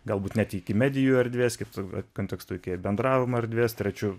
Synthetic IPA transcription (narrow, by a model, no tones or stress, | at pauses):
ɡɐlˠbuːt̪nʲæt̪ʲiɪkʲɪmʲæːd̪ʲɪjuːɐɾʲd̪ʲʋʲeːskʲɪpt̪oɐkoːnt̪ʲɛkst̪oːɪkʲibʲɛnd̪ɾɑːʋʲɪmɐɐɾʲd̪ʲʋʲeːst̪ʲɾʲɛt͡ʃʲʊ